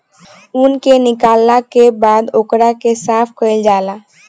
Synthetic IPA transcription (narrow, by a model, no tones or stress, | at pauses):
ʊnkenɪkaːlːakebaːd̪okɽakesaːpkəɪld͡ʒaːlaː